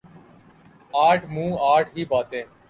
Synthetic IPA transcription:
aːʈmũːaːʈɦiːbʱaːt̪ẽː

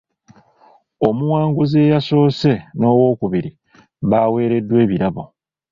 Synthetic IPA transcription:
o̞muwaːŋɡuze̞ːjaso̞ːse̞no̞ːwo̞ːkuβiɾi | βaːwe̞ːɾe̞dːwe̞ːβiɾaβo̞̰

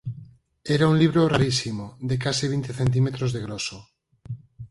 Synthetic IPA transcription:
eɾaunliβ̞ɾoraɾisimoðekasiβ̞int̪eθent̪̬imet̪ɾozðeɣ̞ɾoso

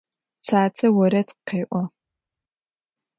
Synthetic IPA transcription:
t͡sʰaːt͡sʰɐwɔɾɐtqeːʔʷɔ

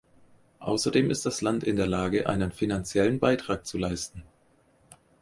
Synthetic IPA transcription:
ʔa̰ʊsɐdeːmʔɪstd̥aslantɪndeːɐlaːɡəʔa̰ɪnənfinant͡sjɛlənbaɪtʁ̥aːk̚t͡sulaɪstn̩

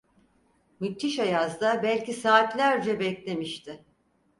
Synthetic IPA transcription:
myt̪ʰːiʃajazd̪abælʲcisaːt̪lʲæɾd͡ʒɛbɛclʲe̞miʃt̪ʰɪ

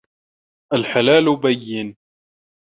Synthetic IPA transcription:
ʔalħalaːlʊbajːɪn

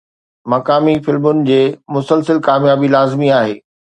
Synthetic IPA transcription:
mɐkaːmifɪlmʊnɪ̆d͡ʑeːmʊsəlsəlkaːmjaːbilaːzmiaːɦeː

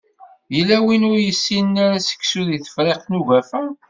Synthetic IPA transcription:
jəlːæwinʊɾjəsːinnaɾæsə̥kːsuðiθə̥fɾeqnuʝæfæ

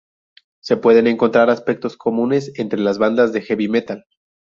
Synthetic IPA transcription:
se̞pwe̞ðe̞ne̞ŋko̞nt̪ɾaɾaspe̞k̚t̪o̞skʰo̞mũne̞se̞nt̪ɾe̞lazβand̪azðe̞xeβime̞t̪al

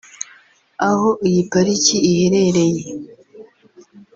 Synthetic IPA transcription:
ahoʔijipaɾiciːhe̞ɾe̞ɾe̞je

